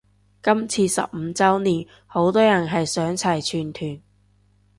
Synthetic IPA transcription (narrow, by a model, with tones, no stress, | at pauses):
kɐ˥mt͡sʰiː˧sɐ̰˨p̚m̩˨˧t͡sɐ˥wniː˨˩n | ho˨˥wt̪ɔː˥jɐ˨˩nɦɐ˨jsœː˨˥ŋt͡sʰɐ˨˩jt͡ʃʰyː˨˩nt̪ʰyː˨˩n